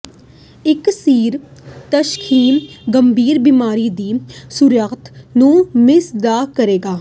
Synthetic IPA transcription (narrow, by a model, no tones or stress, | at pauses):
ɪksiːɾt̪əʃkʰiːɡəmbʱiːɾbimaːɾiːd̪iːsuɾjəkt̪nũːmɪsd̪aːkəɾeːɡaː